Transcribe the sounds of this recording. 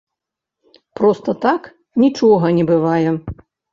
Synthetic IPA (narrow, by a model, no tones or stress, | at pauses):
pɾɔst̪ɐt̪ak | nʲit͡ʂɔɣɐnʲɛbɨvajɛ